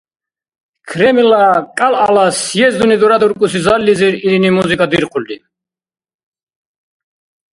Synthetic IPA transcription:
kʰɾɛmilakʼalalasjɛzd̪unid̪uɾad̪uɾkʼusizalliziɾiɾinimuzikʼad̪iɾqʰʼuld̪i

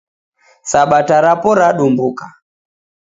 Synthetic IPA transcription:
saɓataɾapɔɾaɗumbuka

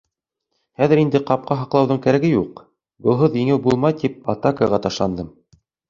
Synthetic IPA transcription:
χæðɘɾind̪ɘqɑp̚qɑɦɑqlˠɑwðɤɴkæɾæɡɘjuq | bɤ̆lˠɦɤðjɘ̆ŋɘwbulˠmɑjt̪ip̚ɑt̪akaʁɑt̪ɑʃlˠɑnd̪ɤm

